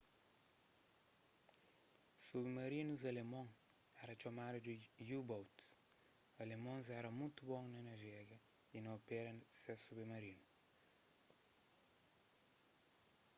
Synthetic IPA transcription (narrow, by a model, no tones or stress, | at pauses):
suβmɐɾinuzɐlemõŋ | ɛɾɐt͡ʃɐmad̪ɐdijubowt̪s | ɐlemõzɛɾɐmũjt̪ubõŋnɐnɐʒɛɡɐ | inɐopɛɾɐsɛsuβemɐɾinu